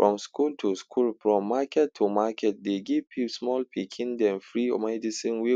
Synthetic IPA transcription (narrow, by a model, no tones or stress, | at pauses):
fɹɔ̃mskʰultʰuskʰulfɹɔ̃mːakʰɛtʰːumakɛt̚deɡivpʰipsmɔlpʰikʰĩndɛ̃mfɹiɔ̰mɛdisĩnwi